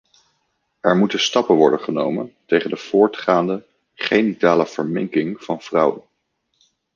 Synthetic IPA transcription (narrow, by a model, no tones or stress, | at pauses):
ʔɛɹmutənstɑpənʋɔ̰ɹdənχənowməntejχəndəv̥ʊːɹtχaːndə | χejnitaːləv̥əɹmɪŋkɪŋv̥ɑnv̥rʌwən